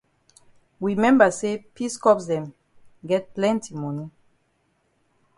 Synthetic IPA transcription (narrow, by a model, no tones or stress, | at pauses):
wimɛ̃mbasepiskɔpsdɛ̃m | ɡɛt̚plɛ̃ntimɔni